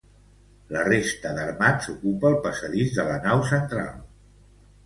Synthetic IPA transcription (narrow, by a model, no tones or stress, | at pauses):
lərest̪əðəɾmazukupəːlˠpəsəðizðələnawsənt̪ɾa̰lˠ